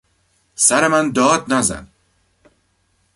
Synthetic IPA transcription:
saɾemænd̪ɒːd̪̚nɒzæ̰n

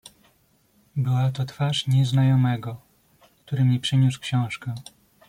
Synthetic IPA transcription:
bɘwat̪ɔt̪faʂɲɛznajɔmɛɡɔ | kt̪uɾɘmɲɛpʂɘɲuskɕɔ̃w̃ʂkɛ

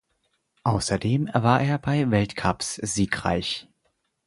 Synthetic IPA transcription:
ʔaʊsɐdeːmvaːɐʔeːɐbaɪvɛltkʰapsz̥iːkʁa̰ɪç

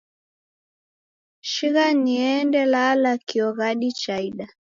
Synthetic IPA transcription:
ʃiɣaniɛndɛlalakiɔɣaɗit͡ʃaiɗa

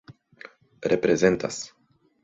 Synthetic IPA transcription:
repɾezent̪a̰s

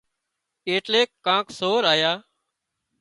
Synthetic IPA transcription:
eːʈleːkːãːksoːɾaːjaː

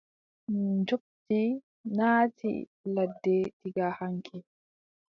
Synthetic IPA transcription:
d͡ʒok̚ti | naːtḭ | ladːɛtiɡahaŋkʰi

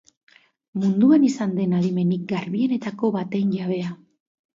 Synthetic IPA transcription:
mund̪uanisand̪e̞naðime̞nik̚ɡaɾβie̞ne̞t̪ako̞βat̪e̞jɲʝaβ̞e̞a

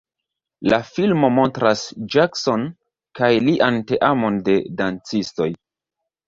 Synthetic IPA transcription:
lafilmo̞mo̞ntɾasd͡ʒakso̞n | kajliʔante̞ʔamo̞nde̞dant͡sisto̞j

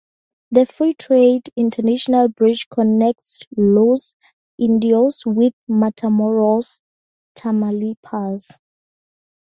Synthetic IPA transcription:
ðəfɹitʰɹedĩntʰənaʃɔnalbɹid͡ʒkʰɔnɛk̚tlos | ʔĩndioswiðmatʰamɔɹals | tʰamalipʰals

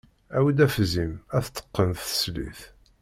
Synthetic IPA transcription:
æwəd̪æfzimæθt̪ːə̥qːənθə̥slḭθ

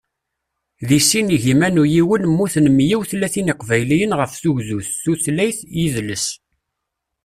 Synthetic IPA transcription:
ðisiniʝimænujiwənmːuθnəmjiwθlːæθiniqvæjlijənʁəfθuʝzuθːuθlæjθjiðləs

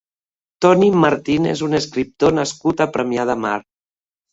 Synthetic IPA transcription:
t̪ɔnimaɾt̪inḛzuneskɾip̚t̪onaskut̪apɾəmjað̞amaɾ

